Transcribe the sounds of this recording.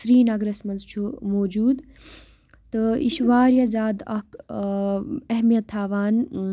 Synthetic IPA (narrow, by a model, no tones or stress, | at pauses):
sɾiːnɐɡɾɐsmɐnzt͡ʃʰumoːd͡ʒuːd̪ | t̪ɨiʃʋaːɾijɐzaːd̪ɐk | ɐɦmijɐt̪ʰːaːʋaːn